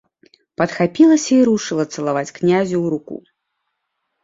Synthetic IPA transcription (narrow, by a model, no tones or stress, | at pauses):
pɐt̪xapʲilˠɐsʲɐiɾuʂɨlˠɐt̪sɐlˠavat͡sʲknʲazʲuwɾukṵ